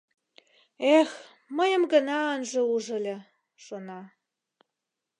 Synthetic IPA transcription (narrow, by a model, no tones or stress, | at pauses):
ex | məjə̆mɡənɑənʒĕuʒə̆lʲĕ | ʃonɑ